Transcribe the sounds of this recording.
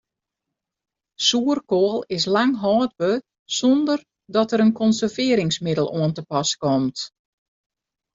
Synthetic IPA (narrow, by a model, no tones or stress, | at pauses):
suərkoəlˠɪs̬laŋɦɔːd̚bə | sɔndər | dɔtəɾənkɔnsərvɪəɾɪŋsmɪdəlˠoəntəpɔskɔmt